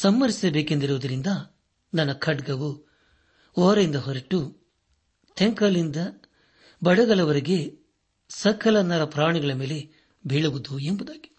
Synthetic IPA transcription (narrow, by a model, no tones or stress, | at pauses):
sɐmːɐɾisɐbeːkend̪iɾuʋːd̪ɐɾind̪ɐ | nɐnːɐkʰɐɖɡɐʋu | ɔːɾɐjind̪ɐɦɔɾɐʈːu | t̪ʰeŋkɐlind̪ɐ | bɐɽɐɡɐɭɐʋɐɾiɡe̞ | sɐkʰɐlɐnːɐɾɐpɾaːɳiɡɐɭɐme̞ːle̞ | bʱiɭuʋud̪uembud̪aːɡi̥